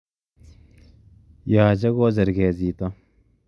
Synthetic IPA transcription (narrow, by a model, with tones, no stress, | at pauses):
jaː˨d͡ʒɐ˦ɡoː˦zɐ˨ɾɡeː˨ziː˨t̪a